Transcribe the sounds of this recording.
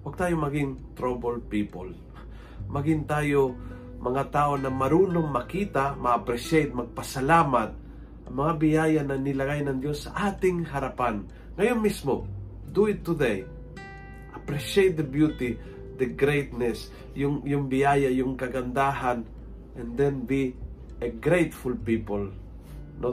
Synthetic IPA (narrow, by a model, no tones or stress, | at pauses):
wɐɡ̚t̪aːjomɐɡɪŋt̪ɾobɐlpipo̰l | mɐɡɪnt̪aːjo | mʔɐŋat̪aːʔonɐmɐɾuːnomːɐkiːt̪amɐːpɾɛʃejt̪̚mɐɡ̚pɐsɐlaːmat̪̚ | ʔɐŋmɐŋabɪjaːjanɐnɪlɐɡajnɐŋd̪jo̞sːɐʔaːt̪ɪŋɦɐɾapan | ŋɐjonmismo̰ | d̪uɪt̪ːʊd̪ej | ʔɐpɾɛʃejt̪̚d̪ɐbjut̪i | d̪ɐɡɾejt̪nɛs | jʊŋjʊŋbɪjaːjajʊŋkɐɡɐnd̪aːɦan | ʔɛ̃nd̪ɛ̃nbi | əɡɾejt̪fulpipol | no